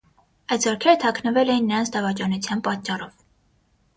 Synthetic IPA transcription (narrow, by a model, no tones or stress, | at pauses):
ɑjt̪zɔɾkʰɛɾət̪ʰɑkʰnəvɛlɛjinːəɾɑnt͡sʰd̪ɑvɑt͡ʃɑnut͡sʰjɑnpɑt̪̚t͡ʃːɑrɔv